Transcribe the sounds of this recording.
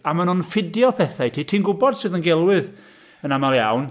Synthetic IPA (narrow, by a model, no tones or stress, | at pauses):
amanʊnfɪdjɔpʰɛθajtʰiːtʰiːnɡʊbɔd̥sɨːðənɡɛlˠwɪð | ənamalˠja̰wn